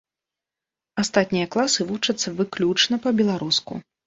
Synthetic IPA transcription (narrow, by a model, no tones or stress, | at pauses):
ast̪at̪̚ʲnʲijɐklˠasɨvut͡ʂɐt̪sːɐvɨklʲut͡ʂnɐpɐbʲɛlˠaɾuskṵ